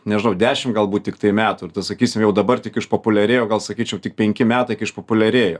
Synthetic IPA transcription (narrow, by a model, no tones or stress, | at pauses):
nʲɛʒʲɪnɐʊd̪ʲæːʃʲɪmɡɐlˠbuːt̪tʲɪkt̪ɐɪmʲæːt̪urt̪ɐsɐkʲiːsʲɪmjɛʊd̪ɐbɐrt̪ʲɪkɪʃpoːpʊlʲɛɾʲeːjoːɡɐlˠsɐkʲiːt͡ʃʲɛʊtʲɪk̚pʲɛŋʲkʲɪmʲæːt̪ɐɪkɪʃpopʊlʲɛɾʲeːjoː